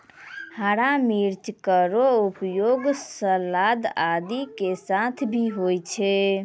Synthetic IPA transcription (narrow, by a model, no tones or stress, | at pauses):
haɽamiɾt͡ʃkəɾoupjoɡsəlad̪ad̪ikesat̪ʰbʱiɦojt͡ʃʰɛ